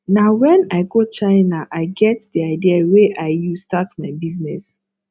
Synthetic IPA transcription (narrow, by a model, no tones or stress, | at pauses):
nawɛ̃naɪɡot͡ʃaɪnaʔaɪɡɛtd̥iaɪdiaweʔaɪjustatmaɪbiznɛs